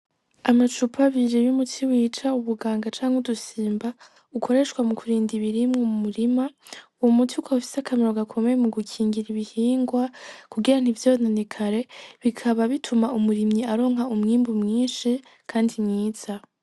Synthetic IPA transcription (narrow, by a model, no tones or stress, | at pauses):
amat͡ʃupʰaβiɾeβumutʰiwiːt͡ʃauβuɡaːŋɡat͡ʃaːŋudusiːmba | ukʰo̞ɾe̞ʃkwamukʰuɾiːndiβiɾimŋomumuɾimauwomutiukʰafi̥sakʰameɾo̞ɡakʰo̞me̞jemuɡukʰiːŋɡiɾiβihiːŋɡwakuɡiɾan̥ivjoːnenikʰaɾe̞βikʰaβaβitʰumaumuɾimɲiaɾo̞ːŋ̥ɦaumŋiːmbumŋiːnʃi | kʰaːndimŋiːz̥a